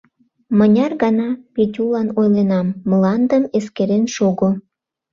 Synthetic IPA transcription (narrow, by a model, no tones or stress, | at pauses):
mənʲɑrɣɑnɑpetʲulɑnojlenɑmːəlɑnd̪əmeskeɾenʃoɣo